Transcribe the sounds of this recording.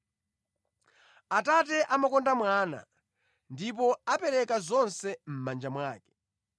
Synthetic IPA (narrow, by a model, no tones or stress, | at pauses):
atat̬ɛʔamakɔndamwaːna̰ | ndip̬ɔapɛɾɛkazɔnsɛm̩mand͡ʒamwaːkɛ̥